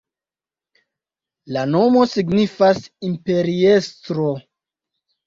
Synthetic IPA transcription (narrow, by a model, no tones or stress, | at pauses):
lano̞mo̞siɡnifasimpe̞ɾiestɾo